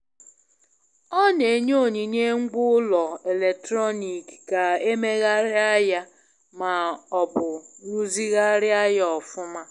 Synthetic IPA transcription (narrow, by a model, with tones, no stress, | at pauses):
ɔ˦ne˨ɲo˦˨ɲi˨ne˦ŋ͡m̩˦ɡ͡bʊ˦lɔ˨e˨le˨k̚tɾɔ˦ni˨kka˨e˦me˦ɣa˦ɾɪ˦a˦ja˦ | ma˨ɔ˨bʊ˨nu˦zi˦ɣa˦ɾɪ˦a˦jɔ˨fʊ˦ma˦